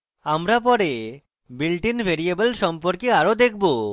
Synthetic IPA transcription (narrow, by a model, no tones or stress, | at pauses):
amɾapɔɾe | bilʈinbʱeɾiebelʃɔmpoɾkeaɾod̪ek̚ʰbo